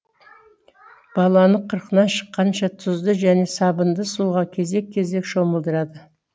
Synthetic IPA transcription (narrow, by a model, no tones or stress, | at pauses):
b̥ɑlˠɑnəqʰəɾqənɑnʃə̥qːɑnʃɑt̪ʰʊzd̪əʒæne̞sɑbənd̪əsuʁɑkʲʰe̞ze̞k̚ʲʰːe̞ze̞kʃo̞məlˠd̪əɾɑd̪ə